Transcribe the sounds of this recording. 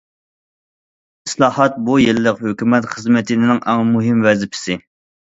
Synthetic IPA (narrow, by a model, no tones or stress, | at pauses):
ɪslˠɑːhɑt̪̚bujellɪqhøkʲymɛt̪χəzmɪt̪ʰɪnɪnɪŋʔæŋmuɦɪmvɛzɪpʰɪ̥sɪ